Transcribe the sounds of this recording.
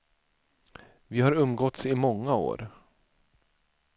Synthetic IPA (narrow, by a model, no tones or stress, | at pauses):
vɪhaɾɵmːɡɔt̪sɪmɔŋːao̰ːɾ